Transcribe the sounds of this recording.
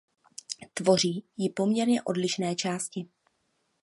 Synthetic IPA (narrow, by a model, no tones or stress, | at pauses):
t̪vo̞r̝iːjɪpo̞mɲɛɾɲɛʔo̞̰dlɪʃnɛːt͡ʃaːscɪ